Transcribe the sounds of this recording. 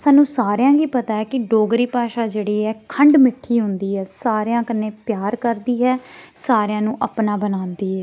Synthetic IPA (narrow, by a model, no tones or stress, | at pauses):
saːnũːsaːɾjãːɡiːpət̪aːɛːkɪɖoːɡɾiːpaːʃaːd͡ʒeːɽiːɛːkʰəɳɖmɪʈʰːiːɦʊ̃nd̪iːɛːsaːɾejãːkəneːpjaːɾkəɾd̪iːɦɛːsaːɾejãːnũːʔəpnaːbənãːnd̪iːɦɛː